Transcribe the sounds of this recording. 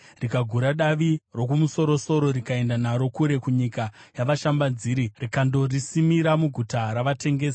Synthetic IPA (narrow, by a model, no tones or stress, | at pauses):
rikaɡʱuɾaɗaʋiro̞kumuso̞ɾo̞so̞ɾo̞ɾikae̞ndanaɾo̞kuɾe̞kuɲikajaʋaʃambanziːɾirikando̞risimiɾamuɡʱutaɾaʋate̞ŋɡe̞ːsa